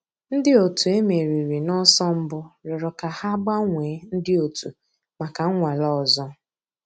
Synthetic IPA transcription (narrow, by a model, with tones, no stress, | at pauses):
n̩˦dɪ˦o˨tu˨e˦me˨ɾi˨ɾi˨nɔ˦sɔ˦m̩˦bʊ˦ɾɔ˨ɾɔ˨ka˨ha˦ɡ͡ba˦ŋʷe˨˦n̩˦dɪ˦o˨tu˨ | ma˨ka˨˦ŋʷa˨lɔ˦˨zɔ˦